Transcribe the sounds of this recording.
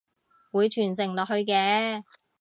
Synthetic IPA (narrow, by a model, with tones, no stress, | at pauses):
wuː˨˧jt͡ʃʰyː˨˩ns̬ɪ˨˩ŋlɔː˨k̚hɵ˧ɥkɛː˨˧˥